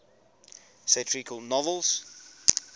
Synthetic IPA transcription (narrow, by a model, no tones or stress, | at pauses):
sɛtʰɹikʰɔlˠnɔvəlˠz̥